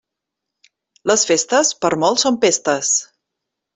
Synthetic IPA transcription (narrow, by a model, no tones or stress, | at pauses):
ləsfest̪əspəɾmɔlˠsompest̪əs